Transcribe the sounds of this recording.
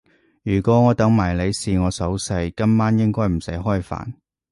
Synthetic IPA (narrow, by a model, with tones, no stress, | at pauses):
jyː˨˩kʷɔː˨˥ŋɔː˨˧t̪ɐ˨˥ŋmaː˨˩jle˨˧jsiː˨˧ŋɔː˨˧sɐ˨˥wsɐ˧jkɐ˥mmaː˥njɪ˥ŋkɔː˥jm̩˨˩sɐ˨˥jɦɔː˥jfa̰ː˨˩n